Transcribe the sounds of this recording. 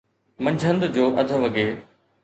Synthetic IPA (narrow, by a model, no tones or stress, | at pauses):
mɐ̃ɲd͡ʑʱə̃nd̪d͡ʑoːʔɐd̪ʱə̆ʋɐɡeː